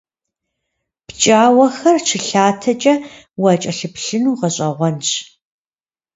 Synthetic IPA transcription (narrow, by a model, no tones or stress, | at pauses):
pt͡ʃʼaːwɐxɐrt͡ʃʰɪɬaːtʰɐt͡ʃʼɐ | wɐt͡ʃʼɐɬɨpɬɨnuːʁɐɕʼɐʁʷɔnɕ